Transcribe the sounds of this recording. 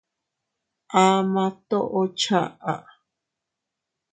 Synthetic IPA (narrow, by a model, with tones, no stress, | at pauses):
ʔa˦mã˧t̪o˦ʔo˦t͡ʃʰa̰˦ʔa̰˨ʔ